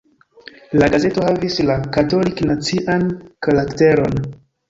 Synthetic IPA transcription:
laɡaze̞to̞havislakato̞liknat͡siʔankalakte̞ɾo̞n

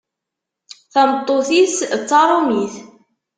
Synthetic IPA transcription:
θæmət̪ˤːoθist͡sːɑɾˤumiθ

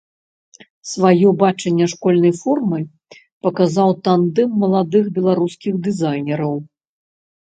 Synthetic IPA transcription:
svajɔbat͡ʂɐnʲːɐʂkɔlʲnɐjfɔrmɨj | pɐkazawt̪and̪ɛmːɐlˠad̪ɨxbʲɛlˠaɾuskʲiɣd̪ɨzajnʲɛɾɐw

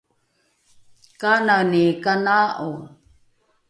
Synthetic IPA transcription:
kananikanaʔu

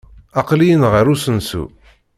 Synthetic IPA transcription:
ɑqlijənʁəɾusənsṵ

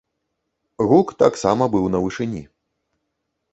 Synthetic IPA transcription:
ɣukt̪aksamɐbɨwnɐvɨʂɨnʲḭ

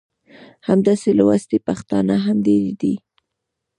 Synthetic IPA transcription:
hamd̪aselawast̪epaxt̪ɑnaɦamd̪eɾid̪i

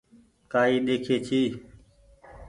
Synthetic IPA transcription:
kaːiːɗeːkʰeːt͡ʃʰiː

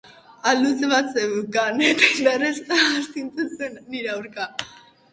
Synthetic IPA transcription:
alus̬eβat͡sewkanet̪adaresast̪int͡sust̪enːiɾeawɾka

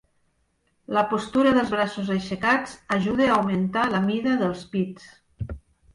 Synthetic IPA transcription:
ləpost̪uɾəðəlˠzβɾasuzəʃəkat͡səʒuðeaːwmənt̪aləmiðəðəlˠspit͡s

